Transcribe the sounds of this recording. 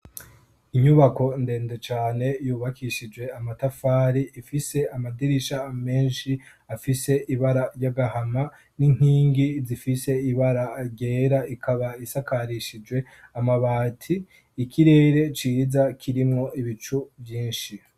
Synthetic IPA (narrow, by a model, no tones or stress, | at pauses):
iɲuβako̞nde̞ːndet͡ʃaːne̞juːβakiʃid͡ʒwe̞amatafaːɾiʔifise̞amadiɾiʃame̞ːnʃi | afise̞ʔiβaɾaɾjaɡahama | nin̥hiːŋɡizifise̞iβaɾaɾɟe̞ːɾaikʰaβaisakʰaɾiʃid͡ʒwe̞ | amaβaːtʰiː | kiɾe̞ːɾe̞t͡ʃizakʰiɾimŋo̞ʔiβit͡ʃuvjiːnʃi